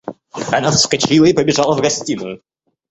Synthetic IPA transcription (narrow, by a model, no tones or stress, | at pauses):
ɐnafskat͡ɕilˠəipəbʲɪʐalˠəvɡɐsʲtʲinʊ